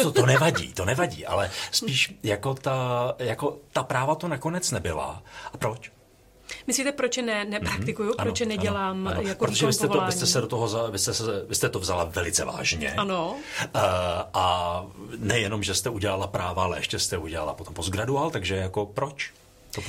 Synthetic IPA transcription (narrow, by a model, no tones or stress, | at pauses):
t̪ot̪onɛvaɟḭːt̪o̞nɛvaɟḭːʔa̰lɛspiːʃjako̞t̪ajako̞t̪apɾaːvat̪onako̞nɛt͡snɛbɪla̰ʔapɾot͡ʃ | mɪsliːt̪ɛpɾot͡ʃjɛnɛnɛpɾat̪ɪkujuaɾoot͡ʃjɛnɛɟɛlaːmjapɾooʒɛvɪst̪ɛoaɪst̪ɛsɛdot̪oɦozavɪst̪ɛsɛɛvɪst̪ɛt̪o̞vzalavɛlɪt͡sɛva̰ːʒɲɛ̰ano | ʔa | nɛjɛno̞mʒɛst̪ɛuɟɛlalapɾaːvaalɛ̰jɛ̰ʃcɛst̪ɛuɟɛla̰la̰poompozɡɾaduaːlt̪aɡʒɛjako̞pɾot͡ʃ | t̪o